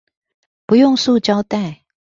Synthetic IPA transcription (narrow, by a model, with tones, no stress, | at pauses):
pu˨˦jʊ˥˨ŋsu˥˨t͡ɕɑ˥wt̪a˥˩